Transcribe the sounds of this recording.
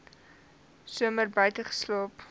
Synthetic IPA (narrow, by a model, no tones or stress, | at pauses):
suəmərbəjtəχə̥sloːp